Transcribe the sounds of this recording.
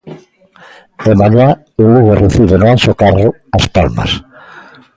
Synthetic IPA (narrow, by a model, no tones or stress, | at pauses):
emaɲa | oluɣoreθiβenoansokaro | aspalma̰s